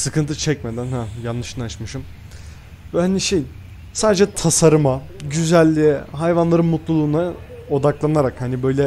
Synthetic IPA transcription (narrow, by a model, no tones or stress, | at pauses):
sɯkʰɯnt̪ʰɯt͡ʃʰɛc̚med̪ænhæjanːɯʃɯnaʃmɯʃɯm | vɛhaniʃejin | saːd̪ed͡ʒɛt̪ʰasaɾɯmaɟyzælʲːiɦajvanlˠaɾɯnmut̪lˠulˠuːna | o̞d̪aklˠanaɾakhanibø̞jlʲɛ